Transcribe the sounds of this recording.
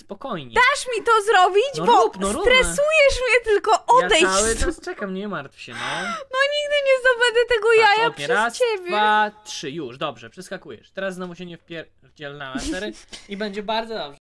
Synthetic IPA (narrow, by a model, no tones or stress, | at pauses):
spɔkɔjɲɛd̪aʂmʲit̪ɔzɾɔbʲid͡ʑbɔupnsɔɾut̪ɾɛsujɛʂmɲɛt̪ɘlkɔʔɔd̪ɛjɛt̪st͡ʂɛkamɲɛmaɾt̪fɕɛnanɔɲiɡd̪ɘɲɛzd̪ɔbɛd̪ɛt̪ɛɡɔjajapɛɛɾast͡ɕɛbʲjɛvatʂɘjuʂd̪ɔbʐɛpʂɛskakujɛ̰ʂt̪ɛɾasːnɔvuɕɛɲɛfpʲjɛɾ | vd͡ʑɛlnast̪ɛɾibɛɲd͡ʑɛbaɾd̪zɔd̪ɔbʐɛ